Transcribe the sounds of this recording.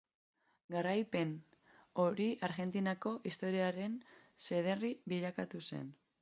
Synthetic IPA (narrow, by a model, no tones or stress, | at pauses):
ɡaɾajpe̞n | o̞ɾiʔaɾɣe̞nt̪inako̞ʔist̪o̞ɾiaɾe̞nse̞ð̞e̞riβiʎakat̪use̞̰n